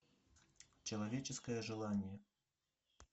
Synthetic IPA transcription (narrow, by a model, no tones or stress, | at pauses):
t͡ʃɐlˠavʲɛt͡ʃɛskɐjɛʐɨlˠanʲjɛ